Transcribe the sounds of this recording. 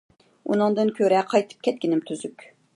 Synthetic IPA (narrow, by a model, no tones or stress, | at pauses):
ṵnɨŋd̪ɨnkʲʰøɾɛqʰɑjt̪ʰɨ̥p̚kʲʰɛt̪̚kʲinɪmt̪ʰyzykʲ